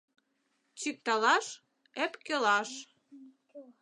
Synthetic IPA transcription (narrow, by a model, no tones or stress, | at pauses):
t͡ɕyk̚t̪ɑlɑʃ | epkelɑʃ